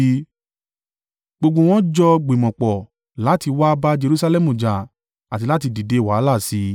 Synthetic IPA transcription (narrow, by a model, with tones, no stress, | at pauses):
ɡ͡bo˧ɡ͡bõ˧w̃ɔ̃˦d͡ʒɔ˧ɡ͡bi˨mɔ̃˨k͡pɔ˨ | la˨˦ti˧wa˦ba˦d͡ʒe˧ɾu˦sa˧lɛ˦˨mũ˨d͡ʒa˨ | a˨ti˧la˦t̬i˧di˨de˨˦˨wa˨˦la˦˨si˧